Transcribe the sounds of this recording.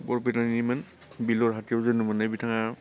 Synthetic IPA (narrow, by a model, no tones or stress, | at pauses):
bɔɹpitaniman | bilɔɹɦatiɔzenumanabitʰaŋa